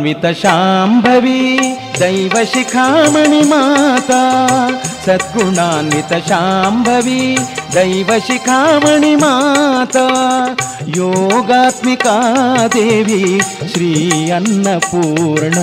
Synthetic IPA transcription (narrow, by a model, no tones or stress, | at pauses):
ʋit̪ɐʃaːmbʱɐʋi | d̪ɐjʋɐʃikʰaːmɐɳimaːt̪ɐ | sɐt̪̚kɾuɳaːnʋit̪ɐʃaːmbʱɐʋid̪ɐjʋɐʃikʰaːmɐɳimaːt̪ɐ | joːɡaːt̪mikaːd̪eːʋiʃɾiːɐnːɐpuːɾɳɐ